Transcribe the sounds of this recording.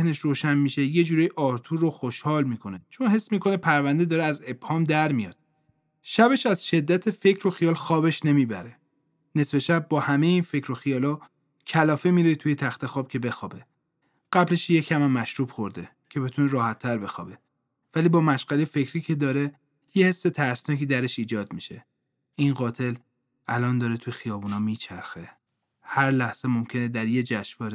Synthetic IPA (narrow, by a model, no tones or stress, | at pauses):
hne̞ʃɾoːʃænmiʃe̞je̞d͡ʒuːɾejiʔɒːɾt̪ʰuːɾoxoʃhɒːlmiːkʰo̞net͡ʃʰo̞nhe̞sːmiːkʰo̞nepʰæɾvænd̪ed̪ɒːɾeæze̞b̥hɒːmd̪æɾmijɒ̰ːd̪̥̚ | ʃæbe̞ʃæz̥ʃe̞d̪ːæt̪ʰe̞fe̞cʰɾo̞xijɒːlxɒːbe̞ʃne̞miːbæ̰ɾe | ne̞sfe̞ʃæb̚ːɒːhæme̞jeiːnfe̞cʰɾoxijɒːlɒ | cʰælɒːfemiːɾet̪ʰuːje̞t̪ʰæxt̪ʰe̞xɒːb̥cʰe̞be̞xɒːbe̞ | ɢ̥æbleʃjecʰæmæmːæʃɾuːbxoɾd̪e | cʰe̞be̞t̪ʰuneɾɒːhæt̪ʰːæɾbe̞xɒ̰ːbe̞ | væliːbɒːmæʃɢælejfe̞cʰɾiːcʰe̞d̪ɒːɾe̞ | jehesːe̞t̪ʰæɾsnɒːkʰiːd̪æɾe̞ʃiːd͡ʒɒːd̪miʃe̞̰ | inɢɒːt̪ʰe̞l | ʔælɒːnd̪ɒːɾet̪ʰujexijɒːbuːnɒːmiːt͡ʃʰæɾxe | hæɾlæhz̥emomcʰe̞ned̪æɾje̞d͡ʒæʃvɒːɾe